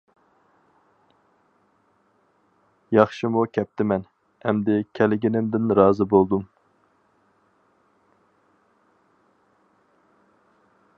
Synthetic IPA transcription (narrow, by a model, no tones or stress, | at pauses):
jɑχʃimukʲʰɛp̚t̪ʰɪmɛn | ɛmd̪ɪkʲʰɛlɪɡʲinɪmd̪ɪnɾɑːzɨbolˠd̪um